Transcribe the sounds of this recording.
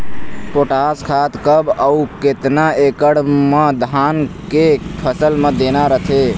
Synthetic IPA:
poʈaskʰat̪kəbəuket̪naekəɽmed̪ʱankepʰəsəlmẽd̪enaɾət̪ʰe

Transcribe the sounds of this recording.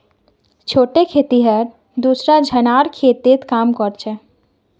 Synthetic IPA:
t͡ʃʰoːʈekʰeːt̪iɦəɾ | d̪usɾad͡ʒʱənaːɾkʰeːt̪et̪kaːmkɔɾt͡ʃʰɛ

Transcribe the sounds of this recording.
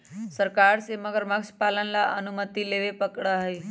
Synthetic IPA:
səɾkaɾseməɡəɾməkspalənlaʔənumət̪ileʋepəkɽaɦe

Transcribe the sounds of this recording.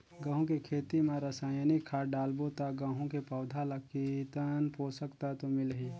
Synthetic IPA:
ɡãːɦũkekʰeːt̪imãɾəsaːjnikʰːaːɖaːlbot̪aɡãːɦũkepaʊd̪ʱalakit̪ənpoːsəkt̪at̪omɪlɦiː

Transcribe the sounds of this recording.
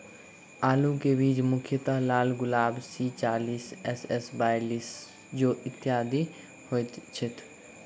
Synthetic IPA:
aːlukebiːd͡ʒmʊkʰjət̪əɦlaːlɡʊlaːbsiːt͡ʃaːliːsɛsɛsbaːjliːs | d͡ʒoːɪt̪ːɪjaːd̪i | hoːjt̪t͡ʃʰɪt̪ʰ

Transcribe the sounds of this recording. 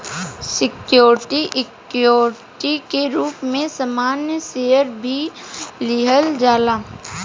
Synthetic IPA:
sɪkjoːɾʈiʔɪkjoːɾ | ʈikeɾuːpmẽsɐmaːnjəseːjəɾbʱiliɦəld͡ʒaːlaː

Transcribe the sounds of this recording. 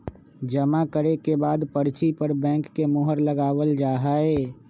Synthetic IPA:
d͡ʒəmakəɾekebaːd̪pəɾt͡ʃipəɾbɛ̃ːŋkːemʊːɦəɾləɡaːwəld͡ʒaːɦaːeː

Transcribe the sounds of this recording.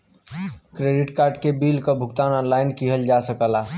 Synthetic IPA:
kɾeːɖɪʈkaːɾɖkebiːlkobʱʊkt̪aːnɔːnlaːɪnkiɦəld͡ʒasəkəlaː

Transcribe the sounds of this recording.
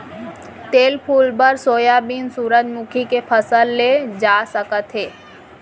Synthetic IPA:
t̪eːlpʰuːlpəɾsoːjabinsuːɾəd͡ʒmʊkʰikepʰəsəlːed͡ʒaːsəkət̪ɦeː

